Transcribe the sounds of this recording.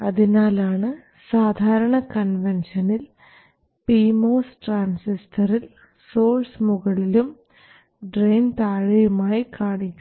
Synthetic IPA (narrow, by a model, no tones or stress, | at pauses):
ɐðinaːlaːɳɨ | saːd̪ʱaːɾɐɳɐkɐnʋenʂɐnil | piːmoːsʈraːnsistʰɐril | soːlsmuɣɐɭilum | ɖrejnt̪aːɻɐjumaːjikaːɳikʲːu